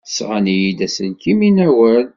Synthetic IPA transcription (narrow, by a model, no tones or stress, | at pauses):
sʁanijid̪æsənkiminæwən